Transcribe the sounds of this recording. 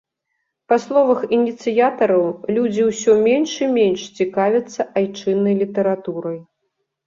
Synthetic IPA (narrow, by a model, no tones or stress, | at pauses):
paslˠɔvɐxinʲit̪sɨjat̪ɐɾɐwlʲud͡zʲiwsʲɔmʲenʂɨmʲenʂt͡sʲikavʲɐt̪sːɐʔajt͡ʂɨnːɐjlʲit̪ɐɾat̪uɾɐj